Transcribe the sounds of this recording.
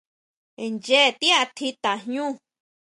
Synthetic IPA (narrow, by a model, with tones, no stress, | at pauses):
nd͡ʒe˦˨t̪i˦a˧t̪ʰi˧t̪a˨ɦɲũ˦˨